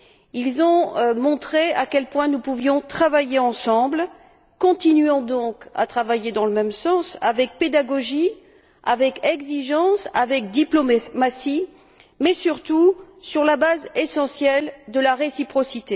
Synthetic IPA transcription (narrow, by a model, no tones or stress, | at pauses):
ilzɔ̃mɔ̃t̪χeakʲɛlpwɛ̃nupuvjɔ̃t̪χavajeɑ̃sɑ̃bl | kɔ̃t̪inɥɑ̃d̪ɔ̃ka̰t̪χavajed̪ɑ̃ləmɛmsɑ̃savɛk̚ped̪aɡɔʒi | avɛkɛɡziʒɑ̃savɛk̚d̪iplommasi | mɛsyʁt̪usyʁlabazesɑ̃sjɛld̪əlaʁesipχɔsit̪e